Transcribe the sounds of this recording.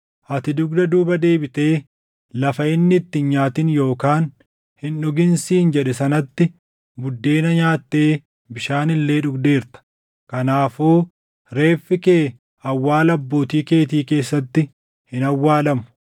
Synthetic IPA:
ʔɐt̪ɪd̪ʊɡd̪ɐd̪uːbɐd̪e̞ːbɪt̪e̞ː | lɐfɐɪnːɪt̪ːɪɲaːt̪ɪnjo̞ːkaːn | hɪnᶑʊɡɪnsiːnd͡ʒɛᶑɛsɐnɐt̪ːɪ | bʊd̪ːe̞ːnɐɲaːt̪ːe̞ː | bɪʃaːnɪlːe̞ːᶑʊɡd̪e̞ːɾt̪ɐ̥ | kɐnaːfuː | ɾe̞ːfːɪkeː | ɐwːaːlɐbːo̞ːt̪iːke̞ːt̪̬iːke̞ːsːɐt̪ːɪ | hɪnɐwːaːlɐmʊ̥

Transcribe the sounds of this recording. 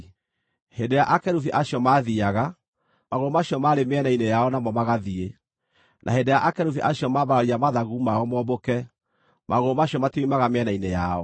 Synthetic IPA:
hedejaʔakɛɾufiʔaɕiɔmaːðiaɣa | maɣoomaɕjɔmaɾemeɛnainejaɔnamɔmaɣaðie | nʔa̰ɦedejaʔakɛɾufiʔaɕjɔmabaɾaɾiamaðaɣuːmaɔmɔbokɛ | maɣoːmaɕjɔmatimaɣameɛnainejaɔ

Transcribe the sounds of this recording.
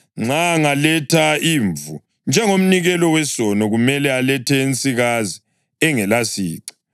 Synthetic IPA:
ŋ͡ǁaŋalɛtʰaiːɱvṵ | nd͡ʒʱɛŋom̩niɣɛlɔwɛsɔnɔɣumɛlɛalɛtʰɛent͡sʼiɣazi | ɛŋɛlasḭːǀḁ

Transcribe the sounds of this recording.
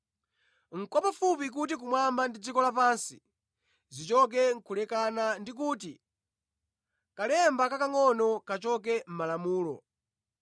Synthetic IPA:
ŋ̩kɔpafupik̬ut̬ik̬umwambandid͡zikɔlapansi | zit͡ʃɔk̬ɛŋ̩kʰulɛkanandik̬uːt̬i | kalɛmbakakaŋɔnɔkat͡ʃɔk̬ɛm̩malamuːlɔ̰

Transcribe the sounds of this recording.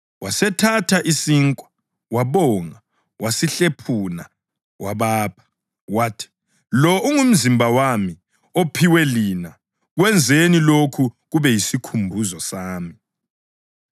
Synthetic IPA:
wʔasɛtʰatʰaʔisiŋkʼwa | waβɔːŋa | wʔasiɬepʰuna̰ | wʔaβaːpʰḁ | watʰi̥ | lɔʔuŋum̩zimbʱawami | opʰiwɛlina | ɣwɛnd͡zʱenilokʰuɣuβɛjisikʰumbʱuzɔsaːmi

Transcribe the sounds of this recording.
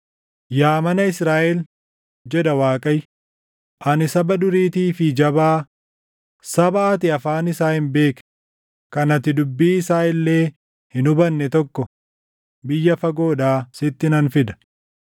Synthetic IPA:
jaːmɐnɐɪsɾaːʔɛl | d͡ʒɛd̪ɐwaːkʼɐj | ʔɐnɪsɐbɐd̪ʊɾiːt̪iːfɪd͡ʒɐbaː | sɐbɐːt̪ɪɐfaːnɪsaːhɪnbe̞ːk | kɐnɐt̪ɪd̪ʊbːiːɪsaːɪlːe̞ː | hɪnʊbɐnːɛt̪ɔkːɔ | bɪjːɐfɐɡo̞ːᶑaːsɪt̪ːɪnɐnfɪd̪ɐ̥

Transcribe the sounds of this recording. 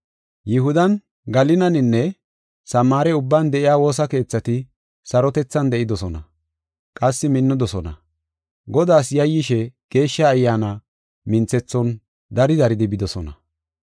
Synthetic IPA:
jɪɦʊd̪ɐn | ɡɐlɪnɐnɪnːɛ | sɐmːaːɾɛʊbːaːnd̪ɛʔɪjaːwo̞ːs̬ɐke̞ːt͡sːɐt̪ɪ | sɐɾɔt̪ɛt͡sːɐnd̪ɛʔɪd̪ɔsɔnɐ | kʼɐsːɪmɪnːʊd̪ɔsɔnɐ̰ | ɡɔd̪aːsjɐjːɪʃɛɡ̥e̞ːʃːɐːjːaːnɐ | mɪnt͡sɛt͡sːɔn | d̪ɐɾɪd̪ɐɾɪd̪ɪbɪd̪ɔsɔnɐ̰

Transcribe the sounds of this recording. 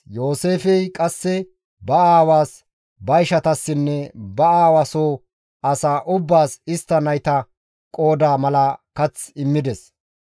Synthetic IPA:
jo̞ːseːfɛjkʼɐsːɛ | bɐaːwaːs | bɐjʃɐt̪ɐsːɪnːɛbɐaːwasoː | ʔɐsaːʔʊbːaːsɪst̪ːɐnɐjt̪ɐ | kʼo̞ːd̪aːmɐlɐkɐt͡sɪmːɪd̪ɛs

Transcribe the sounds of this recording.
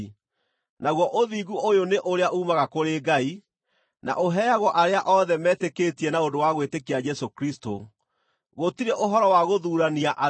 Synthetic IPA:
naɣwɔʔoðiːɡuʔojoneʔoɾeaʔuːmaɣakoɾeːɡai | na̰ʔoɦɛaɣɔʔaɾeaʔɔðɛmɛteketiɛnaodowaɣwetekead͡ʒɛsokɾisto̰ | ɣotiɾeʔoɦɔɾɔwaɣoðuːɾaniaʔa

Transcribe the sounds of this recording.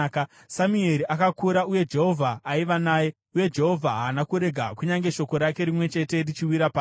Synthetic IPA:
k | samue̞ɾiʔakakuɾauje̞d͡ʒe̞ɦo̞vʱaːiʋanaːje̞ | uje̞d͡ʒe̞ɦo̞vʱaɦaːnakuɾe̞ɡʱakuɲaŋɡe̞ʃo̞ko̞ɾake̞ɾimwe̞t͡ʃe̞te̞rit͡ʃiwiɾapa

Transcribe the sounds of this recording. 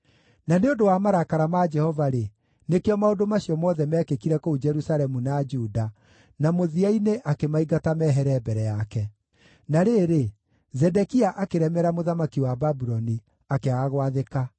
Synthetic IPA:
naneondowamaɾakaɾamad͡ʒɛhɔvaɾe | nekeɔmaodomaɕiɔmɔðɛmɛːkekiɾɛkoud͡ʒɛɾusaɾɛmunad͡ʒuːda | namoðiaineʔakemaiɡatamɛɦɛɾɛːbɛɾɛjakɛ | naɾeɾe | zɛdɛkiaʔakeɾɛmɛɾamoðamakiwababuɾɔni | akeaaɣwaðeka

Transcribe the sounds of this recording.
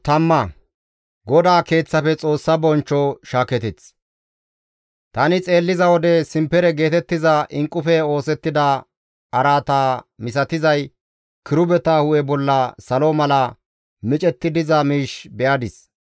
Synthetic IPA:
t̪ɐmːɐ | ɡɔd̪aːke̞ːt͡sːɐfɛt͡sʼo̞ːsːɐbɔnt͡ʃːɔʃaːkɛt̪ɛt͡s | t̪ɐnɪt͡sʼe̞ːlːɪzɐwɔd̪ɛsɪmpːɛɾɛɡe̞ːt̪ɛt̪ːɪzɐʔɪŋkʼːʊfɛo̞ːsɛt̪ːɪd̪ɐ | ɐɾaːt̪aːmɪs̬ɐt̪ɪzɐj | kɪɾʊbɛt̪aːhʊʔɛbɔlːɐsɐlɔmɐlɐ | mɪt͡ʃʼɛt̪ːɪd̪ɪzɐmiːʃbɛʔɐd̪ɪs

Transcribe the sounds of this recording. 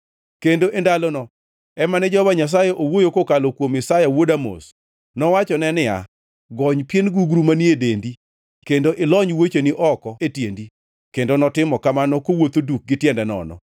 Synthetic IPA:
kendoʔendalɔnɔ | ɛmanɛd͡ʒɔbaɲas̬ajɛʔowojokokalokwomɪsajawodamo̰s | nɔwat͡ʃɔnɛnɪa̰ | ɡɔɲpjenɡuɡɾumaniedendi | kendoʔɪlɔɲwet͡ʃeniʔɔkɔetjendi | kendonɔtɪmɔkamanɔkowot̪oduk̚ɡɪtjɛndɛnɔ̰nɔ̰

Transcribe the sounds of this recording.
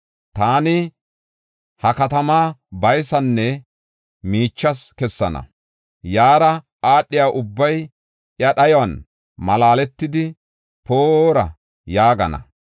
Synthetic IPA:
t̪aːnɪ | hɐkɐt̪ɐmaːbɐjsɐnːɛ | miːt͡ʃːɐskɛsːɐnɐ̰ | jaːɾɐ | aːɗːɪjaːʔʊbːɐj | ʔjɐɗɐjɔwɐn | mɐlaːlɛt̪ːɪd̪ɪ | poːɾɐ̰ | jaːɡɐnɐ̰

